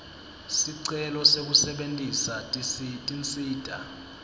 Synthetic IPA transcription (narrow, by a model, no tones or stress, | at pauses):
siǀɛlɔsek̬usɛɓentʼisatʼsitʼint͡sʼiːd̥ʱa̰